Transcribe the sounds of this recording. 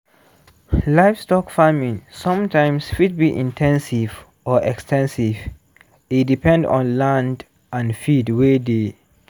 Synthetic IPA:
laɪfstɔkfamĩnsɔ̃mtʰãɪ̃msfid̚biʔĩntʰɛ̃nsiv | ʔɔʔɛkstɛ̃nsiv | itdipʰɛ̃ndɔ̰̃nlãnd | ãnfidwede

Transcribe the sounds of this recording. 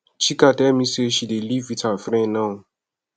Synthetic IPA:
t͡ʃikatɛmĩseʃidelivwitafɾɛ̃nnã

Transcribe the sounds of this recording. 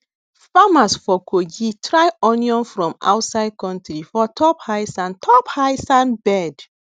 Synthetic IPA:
famasfɔkʰoɡitɹajɔnjɔ̃nfɹɔ̃ma̰wtsaɪd̚kɔ̃ntɾifɔtʰɔphaɪsãntʰɔphaɪsãnbɛd

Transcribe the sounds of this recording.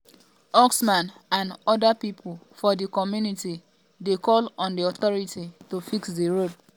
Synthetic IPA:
ɔksmãnãnɔdapipʰl | fɔdikɔmjuniti | dekɔlɔ̃ndiɔθɔɹititofiksdiɹod

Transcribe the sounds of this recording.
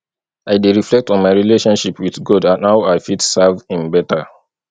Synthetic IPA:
aɪdeɹiflɛk̚tɔ̃nmaɪɹileʃɔ̃nʃipʰwiθɡɔdãnhaʊaɪfitsavĩnbɛta

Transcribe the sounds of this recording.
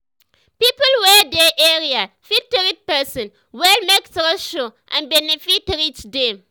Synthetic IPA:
pipəlwɛdɛʔɛɹia | fitɹit̚pɛsɔ̃n | wɛlmɛksoʃoʔã̰nbɛnifitɾit͡ʃdẽm

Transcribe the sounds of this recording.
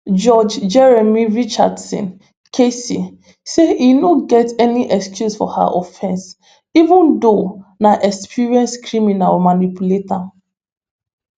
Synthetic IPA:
d͡ʒɔd͡ʒd͡ʒɛɹɛmiɹit͡ʃa̰dsɔ̰̃n | kʰesi | seinoɡɛtɛniʔɛkskjusfɔ̰ha̰ʔɔfɛ̃ns | ivũndonaʔɛkspʰiɹiɛ̃nskʰɹiminalmanipuleta

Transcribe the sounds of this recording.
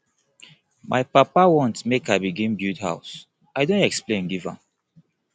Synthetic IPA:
mʔa̰ɪpapawɔ̃ntmekaɪbiɡĩmbjutha̰ʊs | aɪdõntɛksplẽnɡivã̰m

